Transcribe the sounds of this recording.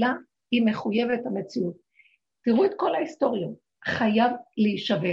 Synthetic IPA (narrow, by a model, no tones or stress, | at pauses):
la | hime̞χuje̞ve̞thame̞t͡siut̚ | tiʁuetko̞lhaisto̞ʁjot | χajavleiʃave